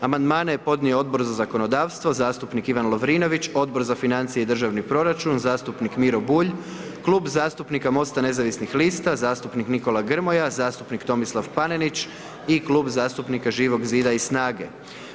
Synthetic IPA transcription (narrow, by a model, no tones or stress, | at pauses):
amand̪maːneepo̞d̪nijoo̞d̪bo̞ɾzazako̞no̞d̪aːʋst̪ʋo̞zaːst̪upnikiʋanlˠo̞ʋɾiːno̞ʋit͡ɕo̞d̪̚bo̞ɾzafinant̪sijed̪ɾr̩ʒaʋnipɾo̞ɾat͡ʃunzaːst̪upnikmiɾo̞buːʎ | klˠuːbzaːst̪upnikamo̞st̪ane̞zaʋisnixliːst̪azaːst̪upnikniko̞lˠaɡr̩mo̞jazaːst̪upnikt̪o̞mislˠaʋpanenit͡ʃ | iklˠuːbzaːst̪upnikaʒiːʋo̞ɡziːd̪aisnaːɡe̞